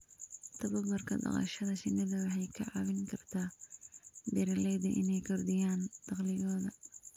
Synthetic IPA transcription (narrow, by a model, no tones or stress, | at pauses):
t̪ʰɐβɐbɐrkʰɐ̰d̪ɑ̰qɑ̰ʃɐðɐt͡ʃɪnːɐðɐwɑħɑjkʰɐʕɑ̰βɪŋkʰɐrt̪ʰaː | bɪɾɐlɛd̪ɐ̰ʔɪ̰nɛjkʰɔrd̪ɪjaːnd̪̥ɑqlɪɣɔːðɐ